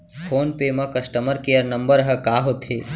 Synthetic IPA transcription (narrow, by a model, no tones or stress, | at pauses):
pʰoːnpeːmɐ̃kɐsʈəməɾkijəɾnɐ̃mbəɾɦɐkaːɦot̪ʰeː